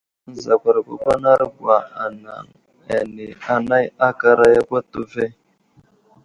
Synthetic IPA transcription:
n̩˦za˨kʷa˨ɾa˨kʷa̰˦kʷa˦na˦ɾɡwa˨a˨na̰˨ŋ | a̰˨ne˨a˨na˦ja˦ka˦ɾa˦ja˦kʷa˦tu˦ve˦

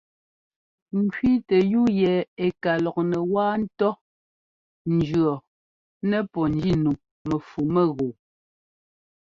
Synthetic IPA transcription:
ŋ̩˨kɥi˦tɛ˨ju˦jɛ˨e˨ka˨lɔ˨k̚nɛ˨waː˦n̩˦tɔ˦ | n̩˨d͡ʒɰɔ˨ | nɛ˦pɔ˨n˦d͡ʒi˦˨nu˨ | mɛ˨fu˨mɛ˦˨ɣo˨

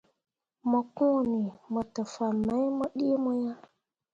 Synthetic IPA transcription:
mɔ˨kũ˦˨ni˨mɔ˨tə˨fa˨ma˨˦jmɔ˦ɗi˦mɔ˦ja˦

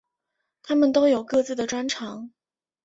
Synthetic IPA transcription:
t̪ʰa˥mə˨nt̪o˥ʊjo˨˩ʊkɤ˥˧t͡sɹ̩˥˩d̪ə˩ʈ͡ʂwa˥nʈ͡ʂʰɑ˧˥ŋ

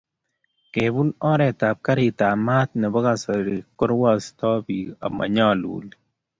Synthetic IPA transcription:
ke˨bu˦lɔ˦ɾɛ˨ta˨p̚ka˦ɾi˨ta˨ma˦t̪̚nɛ˨bɔ˦ka˨sɔ˨ɾi˨kʊ˦ɾwa˦stɔ˦bi˨a̰˨ma̰˨ɲɔ˦˨lwṵ˨li

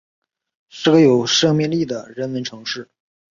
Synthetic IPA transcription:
ʂɻ̩˥˩ɡə˧˥jo˨˩ʊʂɤ˥˧ŋmjɛ˥˧nli˥˩d̪ə˩ɻə˧˥nmə˧˥nʈ͡ʂʰɤ˧˥ŋʂɻ̩˥˩

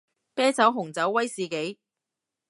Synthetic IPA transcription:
pɛː˥t͡sɐ˨˥wɦʊ˨˩ŋt͡sɐ˨˥wːɐ˥jsiː˨ke˨˥j

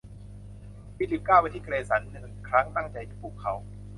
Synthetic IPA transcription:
iː˧˩si˨˦kaː˥˩wa˧t̪ʰiː˥˩˧eː˧sa˩˦nːɯ˨˩ŋkʰɾa˦˥ŋt̪a˥˩ŋt͡ɕa˧jt̪ʰiː˥˩puː˨˩kʰːa˨˦˥w

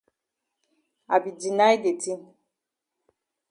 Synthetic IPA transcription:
a˨bi˨di˨na˦jde˨ti˦

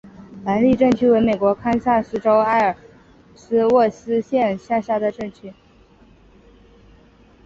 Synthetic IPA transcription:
la˧˥nli˥˧ʈ͡ʂɤ˥˩ŋt͡ɕʰy˥we˧˥ɪme˨˩kwɔ˧˥kʰa˥nsa˥˩sɹ̩˥ʈ͡ʂo˥ʊa˥˩ɪə˞˨˩ | sɹ̩˥wɔ˥˩sɹ̩˥ɕjɛ˥˧nɕja˥˧ɕja˥˩d̪ə˩ʈ͡ʂɤ˥˩ŋt͡ɕʰy˥

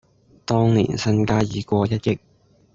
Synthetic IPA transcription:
t̪ɔː˥ŋnḭː˨˩nsɐ˧nkaː˥jiː˨˩kʷɔː˧jɐ˥t̚jɪ˧˥k̚

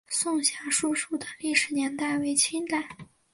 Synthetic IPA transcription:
sʊ˥˧ŋɕja˧˥ʂu˥˧ʂu˥˩d̪ə˩li˥˩ʂɻ̩˨˩njɛ˧˥nt̪a˥˩ɪwe˧˥ɪt͡ɕʰi˥ŋt̪a˨˩˦

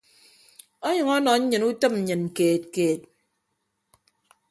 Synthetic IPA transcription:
ɔ˦ɲɨ˨ŋɔ˦nɔ˨ɲ̩˦ɲɨ˨nu˦tɨ˦m̩˨ɲɨ˨n̩˨keː˨t̚keː˨t̚

